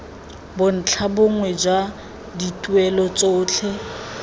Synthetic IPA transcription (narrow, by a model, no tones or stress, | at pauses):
bʊn̩t͡ɬʰabʊŋwɛd͡ʒa | ditʼuɛlɔt͡sʼoːt͡ɬʰɛ